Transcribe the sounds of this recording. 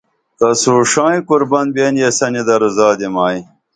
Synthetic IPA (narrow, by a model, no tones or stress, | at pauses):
t̪ɐsuːʂãːĩkuɾbɐnbenjesɐnid̪ɐɾuzaːd̪emaːi